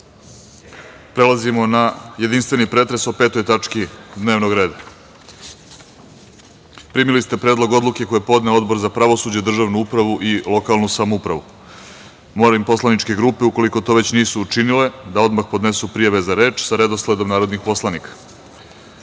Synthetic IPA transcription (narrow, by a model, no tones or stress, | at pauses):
pɾe̞lazimo̞naje̞d̪inst̪vʋe̞nipɾe̞t̪ɾe̞sope̞ːt̪o̞jt̪at͡ʃkid̪ne̞ːʋno̞ɡɾe̞ːd̪a | pɾimilist̪e̞pɾe̞ːd̪lˠo̞ɡo̞d̪lˠuke̞ko̞jepo̞d̪neo̞d̪bo̞ɾzapɾaʋosud͡ʑed̪r̩ʒaʋnuupɾaʋuʔilˠo̞kalnusamoupɾaʋu | moːɾaimpo̞slanit͡ʃke̞ɡɾuːpeuko̞liko̞t̪o̞ːʋe̞t͡ɕniːsuːt͡ʃinile̞d̪aod̪maxpo̞d̪ne̞supɾijaʋe̞zaɾe̞ːt͡ʃsaɾe̞d̪osled̪o̞mnaːɾo̞d̪nixpo̞slanikḁ